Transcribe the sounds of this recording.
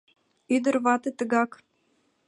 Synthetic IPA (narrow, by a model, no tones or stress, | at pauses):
yd̪ə̆ɾβɑt̪ɤ̆t̪ə̆ɣɑk